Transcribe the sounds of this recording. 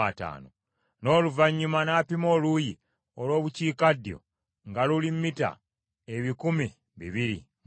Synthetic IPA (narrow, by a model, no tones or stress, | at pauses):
ata̰ːno̰ | no̞ːluvaɲːumanaːpimo̞ːluji | olo̞ːβuciːkadjo̞̰ | ŋɡalulimːita̰ | e̞βikumi | βḭβiɾḭ